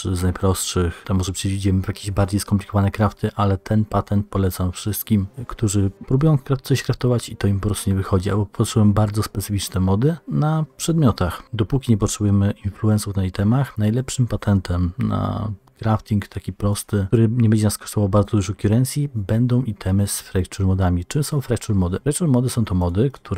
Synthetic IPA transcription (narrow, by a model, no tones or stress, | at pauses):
t͡ʂznajpɾɔstʂɘxt̪ɛmɔʐɛpʂɛvʲid͡ʑɛmɘvjakʲeʑbaɾd͡ʑejskɔmplʲi̥kɔvanɛkɾaft̪ʰɘʔalɛt̪ʰɛnpat̪ɛnt̪̚pɔlɛt̪samfʂɘst̪̚kʲimkt̪uʐɘpɾubujɔ̃kɾat̪sɔɕkɾaft̪ɔvat͡ɕit̪ɔimpɔpɾɔst̪uɲɛvɘxɔd͡ʑia̰lbɔpʰɔɛtʂɛwɛmbaɾd̪zɔspɛt̪sɘfʲit͡ʂnɛmɔd̪ɘnapʂɛd̪mʲjɔt̪axd̪ɔpukʲiɲɛp̬ɔtʂɛbujɛmɘʔinfluɛnsuvd̪aj̪ɛit̪ɛmaxnajlɛpʂɘmpat̪ʰɛnt̪ʰɛmna̰ | ɡɾaft̪ʲiŋkt̪ʰakʲipɾɔst̪ɘuɾɘɲɛbɛɲd͡ʑɛnaskɔ̥ʂt̪ɔvawbaɾd̪zɔd̪uʐɔkʲuɾɛnt̪sʲjibɛnd̪ɔ̃w̃ʔit̪ʰɛmɘsfɾɛkt͡ʂuɾmɔd̪amʲit͡ʂɘmsɔ̃w̃fɾakt͡ʂuɾmɔd̪ɘfɾɛkt͡ʂuɾmɔd̪ɘsɔ̃w̃t̪ɔmɔd̪ɘkt̪ʰuɾ